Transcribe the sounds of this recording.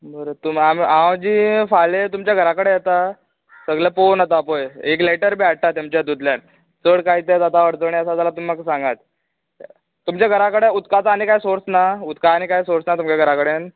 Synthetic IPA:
bəɾot̪umamiãd͡ʑiːfalet̪umt͡ɕjaɡʱəɾakəɽejet̪a | səɡlaponat̪apojek̬leʈəɾbiaɽ̚ʈat̪ːjamt͡ɕad̪ud̪ljan | t͡səɽkaɦiːt̪et̪at̪aʋəɽt̪əɳiəsad͡zalat̪umːaksãŋɡat̪̚ | t̪umt͡ɕjaɡʱəɾakəɽeut̪kat͡sːnikajsoɾt͡snaut̪kaːñikajsoɾt͡snat̪umt͡ɕaɡʱəɾakəɽen

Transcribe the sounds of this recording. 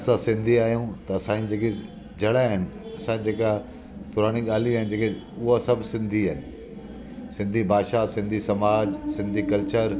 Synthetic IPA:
sãsɪ̃nd̪ʱiaːɦijũt̪ɐɐsãːĩd͡ʑeːke | d͡ʑɐɽaɦɪnɪ̆ɐsãd͡ʑeːka | pʊɾaːɽ̃iɠaːl̤iuaːɪnd͡ʑeːkeʊɦosɐbʱsɪ̃nd̪ʱiaːɦɪnɪ̆ | sɪ̃nd̪ʱibʱaːʃasɪ̃nd̪ʱisɐmaːd͡ʑsɪ̃nd̪ʱikɐlt͡ɕəɾ

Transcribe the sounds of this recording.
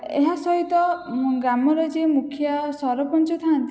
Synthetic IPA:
eɦasɔɦit̪ɔɡɾamɔɾɔd͡ʒemukʰjasɔɾɔpɔnt͡ʃut̪ʰaant̪i

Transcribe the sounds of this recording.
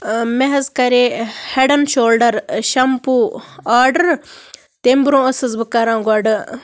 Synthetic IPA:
meɦɐzkɐɾeheɖɐnʃoːlɖɐɾʃɐmpuaːɾɖɐɾ | t̪embɾõːɐsɨzbɨkaɾãːɡɐɖɨ

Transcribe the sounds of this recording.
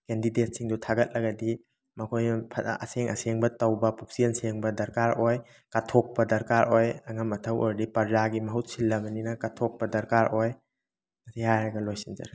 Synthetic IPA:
kendidet̚siŋdutʰaɡɐt̚lɐɡɐdi | mɐkʰojnɐpʰɐɐ̰seŋʔɐ̰seŋbɐtɐwbɐpuk̚sienseŋbɐdɐɾkaɾoj | katʰok̚pɐdɐɾkaɾojɐŋɐmɐtʰɐwo̰ɾdipɐɾzaɡimɐɦut̚silːɐbɐninɐkatʰok̚pɐdɐɾkaɾʔoj | mɐsihajɾɐɡɐlojsinzɐ̰ɾ

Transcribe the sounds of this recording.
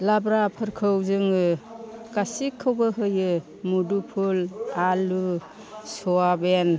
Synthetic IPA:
labɾapʰɯɾkʰɯwzɯŋɯkasikʰːɯwbɯɦɯjɯ | mudupʰulalu | soaben

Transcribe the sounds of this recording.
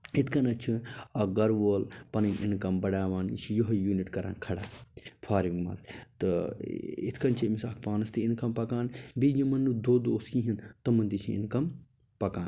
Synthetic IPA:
it̪ʰkɐnɐt͡ʃʰiɐɡɐɾʋoːlpɐnɐʔḭnkɐmbɐɽaːʋaːn̰t͡ʃʰijoɦɐjuːniʈkɐɾa̰ːnkʰɐɽaːfʰaːɾiŋɡmɐ̰ːzt̪ɨ | ḭt̪ʰkɐnt͡ʃʰimisɐk̚ʰpaːnɐst̪iinkɐmpɐkaːnbijimɐnːud̪oːd̪oːskĩɦint̪ɐmɐnt̪it͡ʃʰiḭnkɐm | pɐkaːn

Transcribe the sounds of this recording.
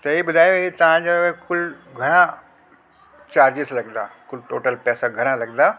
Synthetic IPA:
t̪ɐibʊd̪ʱaːjɦit̪ɐʋ̤ãd͡ʑakʊl | ɡʱɐɽ̃ã | t͡ɕaːɾd͡ʑɪslɐɡd̪a̰ːkʊlʈoːʈəlpɛːsaɡʱɐɽ̃ãlɐɡd̪a

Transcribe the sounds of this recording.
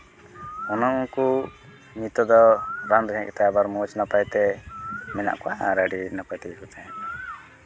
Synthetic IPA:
ɔnɔuŋku | mit̪ɔd̪ɔɾand̪ɡʱɛ̃ʔkɛ̥t̪ajabaɾmɔt͡ʃnapajt̪ɛmɛna̰ʔkuaɾaɖinapajt̪ɛkut̪ʰɛ̃

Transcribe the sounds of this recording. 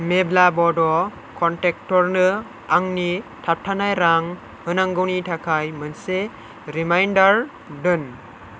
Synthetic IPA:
meblabɔdɔ | kʰɔntek̚tɔɾnɯ | aŋnitʰap̚tʰanajɾaŋ | hɯnaŋɡɯwnitʰakʰajmɯnse | ɾimajndaɾ | dɯn

